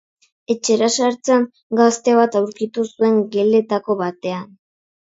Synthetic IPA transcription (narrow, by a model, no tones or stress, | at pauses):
e̞t͡ʃe̞ɾasaɾt͡saŋ | ɡast̪e̞βat̪awɾkit̪usue̞ŋɡe̞le̞t̪ako̞βat̪e̞an